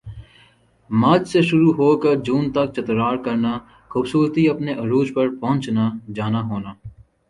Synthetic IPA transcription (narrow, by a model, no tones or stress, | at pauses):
mɐd͡ʒseʃʊɾuɦoːkɐɾd͡ʒuːnt̪ɐk̚t͡ʃɐt̪ɾaːɾkɐɾna | xuːbsuːɾt̪iɐpneʔɐɾuːd͡ʒpɐɾpɐɦʊ̃nt͡ʃnad͡ʒaːnaɦoːnaː